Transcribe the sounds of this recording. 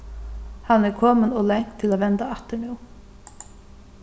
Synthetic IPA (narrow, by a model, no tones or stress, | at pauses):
hanɛɾkʰɔːmənɔlɛŋ̥kt̪ʰːɪlaːvɛnt̪aaht̪əɾnuw